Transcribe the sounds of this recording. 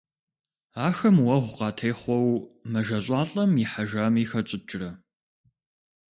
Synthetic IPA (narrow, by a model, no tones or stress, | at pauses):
aːxɐmwɐʁʷʊqɑːtʰɐjχʷɔwmɐʒɐɕʼɑːɬʼɐmiħaʒamiːxɐt͡ʃʼɪt͡ʃʼɪrɐ